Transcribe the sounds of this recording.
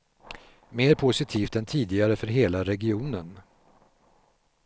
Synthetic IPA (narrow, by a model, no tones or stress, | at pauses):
meːɾpʰʊsɪt̪ʰiːft̪ɛnt̪ʰiːd̪ɪɡaɾəfœɾɦeːlaɾɛɡɪuːnən